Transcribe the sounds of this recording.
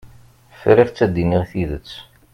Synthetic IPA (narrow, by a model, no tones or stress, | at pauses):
fɾɪft͡sːæd̪iniʁθiðət͡sː